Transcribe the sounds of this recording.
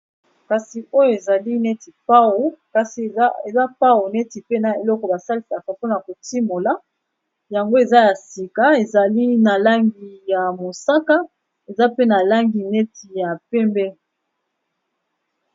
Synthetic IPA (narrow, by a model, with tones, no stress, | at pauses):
ka˨si˨ʔo˦jo˦e˨za˨li˦nɛ˦ti˨pa˦o˨ka˨si˨˦e˨za˦pa˦o˨nɛ˦ti˨pe˦na˨e˨lɔ˦kɔ˨ba˨sa˦li˨sa˨ka˨po˦na˨ko˨ti˦mo˨la˨˦ | ja˨ŋɡo˦e˨za˦ja˨si˨ka˨e˨za˨li˦na˨la˦ŋɡi˨ja˨mo˨sa˦ka˦ | e˨za˦pe˦na˨la˦ŋɡi˨nɛ˦tʰi˨ja˨pɛ˦mbɛ˦